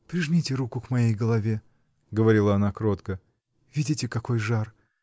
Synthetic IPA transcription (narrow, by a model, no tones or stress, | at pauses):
pɾʲɪʐmʲitʲɪɾukʊkmɐjejɡəlˠɐvʲe | ɡəvɐɾʲilˠəɐnakɾot̪kə | vʲidʲɪtʲɪkɐko̞jʐar